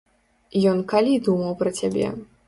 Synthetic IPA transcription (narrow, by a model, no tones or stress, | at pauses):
jɔnkalʲid̪umɐwpɾɐt͡sʲabʲɛ̰